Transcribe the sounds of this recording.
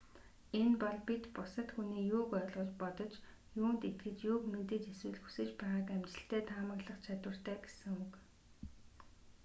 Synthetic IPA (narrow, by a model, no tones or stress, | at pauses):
enpɔɮpit̪pʊsə̆t̪xuniːjʊːkœɮʁɞ̆t͡ɕpɔt̪ɞ̆t͡ɕ | juːnt̪et̪ɡɘ̆t͡ɕjʊːkment̪ɘ̆t͡ɕeswɘ̆ɮxu̥sɘ̆t͡ɕpæːʁaːkæmt͡ɕɪ̆ɬt̪æːt̪ʰaːmə̆kɮə̆χt͡ɕʰat̪wə̆r̥t̪æːɡesɘ̆ŋuk